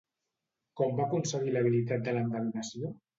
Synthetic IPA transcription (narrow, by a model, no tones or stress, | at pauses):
kɔmbakunsəɣiləβ̞ilit̪at̪̚d̪ələmd̪əɣunəsio